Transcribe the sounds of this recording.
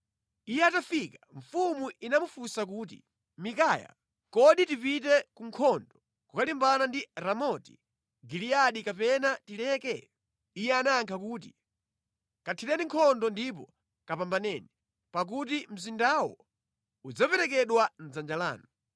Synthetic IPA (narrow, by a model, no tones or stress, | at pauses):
ijɛatafikaɱ̩fumuʔinamufusak̬uːt̬ḭ | mikaːja̰ | kɔɗitipitɛkuŋkʰɔndɔ | kukalimbanandiɾamɔti̥̰ | ɡilijaɗikapɛnatilɛkɛ | ijɛanaːŋkʰakuːt̬i | katʰiɾɛniŋkʰɔndɔndip̬ɔ | kapambanɛːni | pak̬ut̬im̩zindawɔ | ud͡zapɛɾɛk̬ɛɗwan̩zand͡ʒala̰ːnɔ